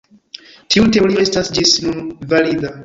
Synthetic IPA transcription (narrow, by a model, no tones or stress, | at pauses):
tiutelioe̞stasd͡ʒisnunvalida